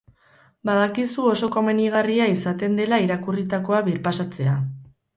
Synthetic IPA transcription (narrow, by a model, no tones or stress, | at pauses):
bað̞akisuo̞so̞ko̞me̞niɣ̞ariaisat̪e̞nd̪e̞laiɾakurit̪ako̞aβiɾpasat͡se̞a